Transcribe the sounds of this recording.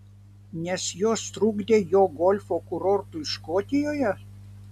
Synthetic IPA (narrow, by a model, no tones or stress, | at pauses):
nʲɛsjoːst̪ɾuɡd̪ʲeːjoːɡɔlʲfoːkʊɾɔɾt̪uɪʃkoːt̪ʲɪjoːjɛ